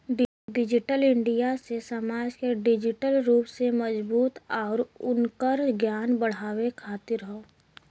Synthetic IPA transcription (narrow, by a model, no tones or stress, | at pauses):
ɖɪd͡ʒɪʈəlɪ̃ɳɖijasesəmaːd͡ʒkeɖɪd͡ʒɪʈəlɾuːpseməzbuːt̪ɔːɾʊnkəɾɡjaːnbəɽ̤aːwekʰaːt̪ɪɾɦoː